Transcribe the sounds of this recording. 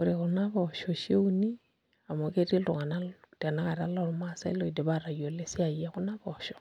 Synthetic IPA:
uɾikunaβɔʃɔʃe˦uni˦ | a˨mo˨ke˦ri˦lu˨ŋa˨nad̥i˨a˨naka˨ɾala˦ɾu˦ma˦sa̰˦ḭ˦lɔ˦i˨di˨βaɾa˨jo˨le˦si˦a˨iaku˦na˦βɔʃɔ̥˨

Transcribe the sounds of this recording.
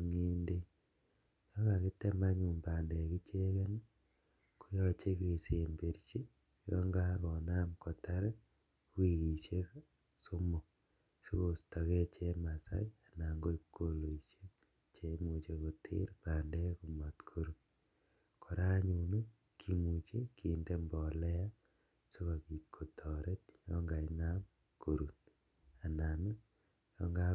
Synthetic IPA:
ŋeː˦nde˦ | jo˦ɣa˨ɣi˦te˦maɲuː˨mbaː˨nde˨ki˦t͡ʃeː˦ɣe˦n | ko˦jot͡ʃe˦ke˨se˨mbe˨ɾit͡ʃi˦ | jo̰˦ŋɡaɣɔna˦mko˨ta˦ɾe˦ | wi˨ɣi˨ʃe˦ | so˦mo˨ | si˦ɣo˨sta˨ɣe˦t͡ʃe˦ma˨sa̰˦i˦a˨na˨ŋɡo˦i˦kːo˦lo˨iʃe | t͡ʃe˦mu˨t͡ʃe˨ko˨tʰḛ˦ɾpaː˨ndɛ˦ku˨mɔ˨tkʰo˦ɾu˨n | kʰɔ˨ɾa˦ɲu˨nu˦ | kʰi˦mu˨t͡ʃe˦ki˨nde˦mbɔ˨lɛ˦a˦ | so˦ka˨ki˨kʰo˨tʰɔ˨ɾe˦t̚jɔŋɡa˨inam | kʰo˨ɾu˨n | a˨na˨ni˦ | jɔ˦ŋɡa˦

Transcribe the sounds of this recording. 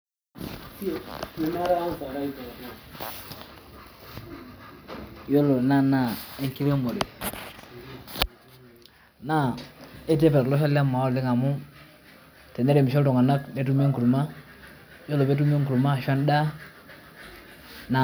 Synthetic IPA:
e˨na˦ɾa˦a˦ŋ˨sa˨ɾa˦i˦ta˨ti˦˨ | jo˦lo˨na˦na˦˨e˦ŋki˦ɾe˦mbo˨ɾɛ˨ | na˦˨e˦t̬e˦pɛ˨ɾlɔ˦s̬a˦la˦mːa˨ɔ˦˨lɪ˦ŋa˨mʊ˦ | tɛ˨ne˦ɾe˨m˨ʃɔ˦ltɔ˨ŋa˨na˦kme˦tu˦me˦ŋku˨ɾu˨ma˦ | jo˦lo˨me˦t̬u˦me˦ŋku˨ɾu˨ma˦˨ʃa˦n˦da˦ | na˨

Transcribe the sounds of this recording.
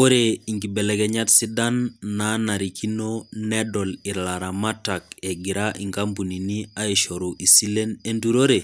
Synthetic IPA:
o˦ɾe˨i˨ŋɡi˨bɛ˨lɛ˨kɛ˦ɲa˦tsi˦da˦nːa˨na˨ɾi˨kʰi˦no˦nɛ˦dɔ˨li˨ɾla˨ɾa˨ma˦ta˨kɛ˨ɡi˨ɾa˦ʔḭ˨ŋka˦mpu˨ni˨ni˦a˦i˨ʃo˨ɾu˨ʔi˨si˦le˦ne˦ndu˦ɾo˦ɾe˨

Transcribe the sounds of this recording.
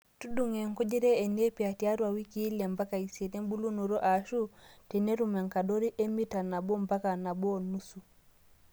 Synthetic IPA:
tu˦du˨ŋe˨ŋko˦d͡ʒe˦ɾeː˦˨ne˦pi˨a˨tia˦ɾwa˨wi˦ki˦la˨mba˦ka˨i˨se˨te˦m˦bu˦lu˦no˨ɾo˦ʔa˨ʃu˦tɛ˨ne˦ɾu˨me˨ŋka˨do˦ɾi˦ʔe˦mi˦ta˨na˨bo˦mba˦ka˨na˨bo˦˨nu˦su˨

